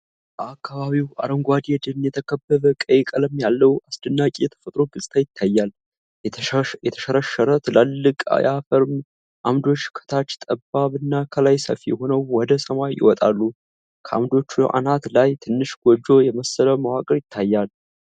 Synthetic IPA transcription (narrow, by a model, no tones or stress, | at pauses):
bəakːaβaβiwa̰ɾəŋɡʷad̪jed̪ɨlɨnjɛt̪ʰəkʰəbːəðəkʼəjkʼələmjalːəwasd̪ɨnːakʼijɛt̪ʰə̥fət̪ʼɾo̞ɡɨsʼt̪ʰajɪt̪ʰːajːal | jɛt̪ʰə̥ʃəɾəʃəɾət̪ʰlalːɨkʼa̰jafəɾm | ʔamd̪o̞t͡ʃːkʰə̥t̪ʰat͡ʃːt̪ʼəbːaβɨnːakʰəlajsə̰fijɛho̞nəwwɔd̪əsəmajɪ̰wɔt̪ʼalːu | kʰəʔa̰md̪o̞t͡ʃːuʔa̰nat̪lajt̪ʰɨnːɨʃɡ̥ʷod͡ʒːo̞jɛməsːələmawakʼəɾjɪt̪ʰːajːal